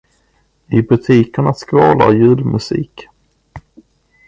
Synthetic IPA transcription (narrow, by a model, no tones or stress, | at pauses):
ɪbɵt̪ʰiːkəɳaskɾɑːla̰ɾjʉ̟ːlmɵsḭːk